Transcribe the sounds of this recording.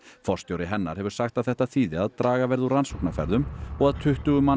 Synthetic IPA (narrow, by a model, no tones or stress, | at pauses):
fɔ̥st̪jowɾɪɦɛnːaɾ̥hɛvʏ̥ɾ̥saxt̪aðθɛht̪aθiːðɪaðt̪ɾaːɣavɛɾðuransɔwknafɛ̰ɾðʏmɔɣaðt̪ʰʏht̪ʏɣʏmːa